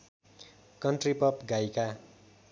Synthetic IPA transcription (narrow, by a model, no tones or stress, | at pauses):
kʌnʈripʌpɡajka